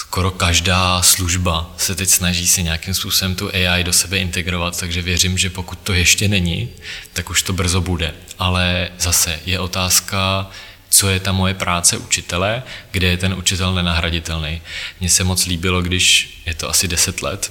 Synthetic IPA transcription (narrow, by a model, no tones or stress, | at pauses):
sko̞ɾo̞kaʒdaːsluʒbasɛt̪ɛcsnaʒiːsɪɲɛakɪmspuːso̞bɛmt̪uʔɛjajdo̞sɛbɛʔɪnt̪ɛɡɾo̞vat̪t̪ːaɡʒɛvjɛr̝ɪmʒɛpo̞kut̪ːo̞jɛʃcɛnɛɲɪt̪akuʃt̪o̞br̩zo̞budɛʔalɛzasɛjɛʔo̞t̪aːska | t͡so̞jɛt̪amːo̞jɛpɾʔaːt͡sɛʔṵt͡ʃɪt̪ɛlɛɡdɛjɛt̪ɛnʔut͡ʃɪt̪ɛlnɛnaɦɾaɟɪt̪ɛlnɛjmɲɛsɛmo̞t͡sliːbɪlo̞ɡdɪʃ | jɛt̪oasɪdɛsɛt̪lɛ̰t̪